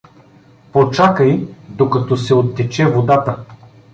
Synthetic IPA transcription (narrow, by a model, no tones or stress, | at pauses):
pot͡ʃakəjd̪okɐt̪ɔsɛot̪ːɛt͡ʃɛvod̪at̪ə